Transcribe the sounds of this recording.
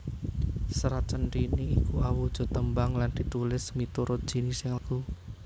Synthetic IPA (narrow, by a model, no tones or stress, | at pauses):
səɾat͡ʃənɾiniːkuawud̥ʒ̥ɔ̤t̪əmbaŋland̪̥i̤t̪ulɪsmit̪uɾʊt̪̚d̥ʒ̥i̤nisɪŋləku